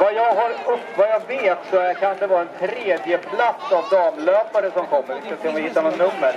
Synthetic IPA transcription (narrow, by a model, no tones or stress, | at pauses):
vajɑːɡɦaɾʊvajaɡveːt̪sɔæɾkʰand̪ɛvɑːɾɛnt̪ʰɾeːd̪jəpʰlat̪savd̪ɑːmløːpaɾəsɔmkʰɔmːəɾvɪskaseːɔmvɪhɪt̪ːanɔnːɵmːəɾ